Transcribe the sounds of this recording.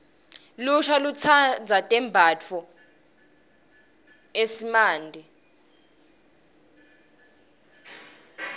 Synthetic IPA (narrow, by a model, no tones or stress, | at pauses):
luʃalut͡sʰand͡zʱatʼɛmbʱat͡fʰɔ | esimaːndʱi